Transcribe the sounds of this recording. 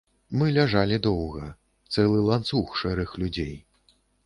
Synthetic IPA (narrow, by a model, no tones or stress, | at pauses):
mɨlʲaʐalʲid̪ɔwɣɐ | t̪sɛlˠɨlˠant̪suxʂɛɾɨxlʲud͡zʲej